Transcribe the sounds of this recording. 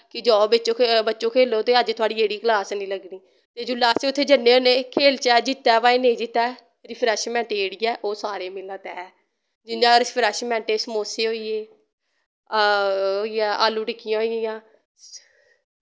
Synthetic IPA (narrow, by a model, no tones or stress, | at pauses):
kɪd͡ʒɔːbɪtːt͡ʃõːbətːʃõːkʰeːloːt̪eːəd͡ʒt̪ʊaːɽiːeːɽiːkəlaːsnĩːləɡniː | t̪eːd͡ʒʊːlaːseːʊt̪ʰːeːd͡ʒənːeːoːneːkʰeːlt͡ʃɛːd͡ʒɪt̪ːɛːʋaːẽːnẽːd͡ʒɪt̪ːɛː | ɾɪpʰɾɛːʃmɛ̃ːɳʈeːɽɪjɛːʔoːsaːɾeːmɪlãːt̪ɛː | d͡ʒɪnãːɾɪpʰɾɛːʃmɛ̃ːɳʈeːsəmoːseːɦoːiːeː | oːijãːʔaːlːuːʈɪkːɪjãːɦoːijjãː